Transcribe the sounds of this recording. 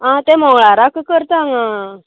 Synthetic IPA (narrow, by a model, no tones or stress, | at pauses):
ãt̪emɔŋɭaɾakəkəɾt̪aŋã